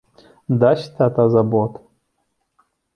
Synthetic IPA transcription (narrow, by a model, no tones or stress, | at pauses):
d̪aɕt̪ʰat̪azabot̪